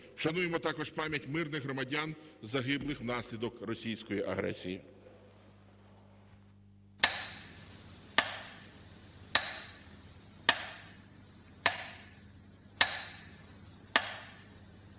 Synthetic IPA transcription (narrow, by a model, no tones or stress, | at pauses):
wʃɐnujemɔt̪ɑkɔʒpɑmʲjɐtʲmɪrnɪɣɦɾɔmɐdʲanzɐɦɪblˠɪxwnɑsʲlʲid̪ɔkrɔsʲijsʲkɔjiʔɐ̰ɦɾɛ̰sʲiji